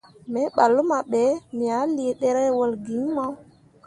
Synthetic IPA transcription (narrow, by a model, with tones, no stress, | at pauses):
me˨˦ɓa˨lːu˦ma˨ɓe˨˦mi˨a˨˦li˨e˨ɗe˦ɾe˦wə˨lɡi˨˦ma˦w